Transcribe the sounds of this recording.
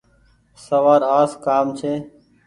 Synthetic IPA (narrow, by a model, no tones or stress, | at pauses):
səʋaːɾaːskaːmt͡ʃʰeː